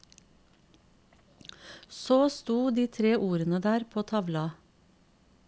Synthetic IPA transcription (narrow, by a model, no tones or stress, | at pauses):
soːst̪uːd̪iːt̪ʰɾeːʔuːɾənəd̪æːɾpʰoːt̪ʰɑʋlɑ